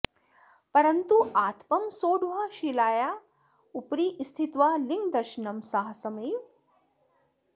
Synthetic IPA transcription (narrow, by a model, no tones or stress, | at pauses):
pɐɾɐnt̪uaːt̪ʰpɐmsoːɖuɦaʃilaːjaː | upɾiːʔist̪ʰit̪ʋaliŋɡd̪ɐɾʃnɐmsɐɦɐsɐmij